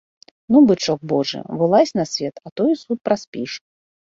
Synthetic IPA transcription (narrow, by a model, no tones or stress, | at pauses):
nubɨt͡ʂɔk̚bɔʐɨ̰bɔlˠasʲnasʲvʲɛt̪at̪ɔjisut̪̚pɾasʲpʲiʂ